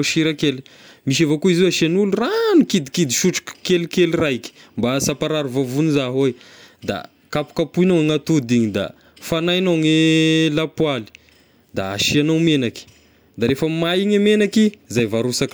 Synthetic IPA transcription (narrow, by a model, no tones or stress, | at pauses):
ʃiɾakeli̥ | miʃ̬evakuiziwaʃianuluranukid̪ikid̪iʃuʈ͡ʂu̥kkelikeliraki̥mbasapaɾaɾuvavunizaɦojd̪a̰ | kapu̥kapuinowaŋat̪ud̪iɲid̪a̰ | fanajnoŋelapwali̥ | d̪a̰a̰ʃianawmenaki̥ | d̪aɾefəmaiŋamenakizajvaɾusak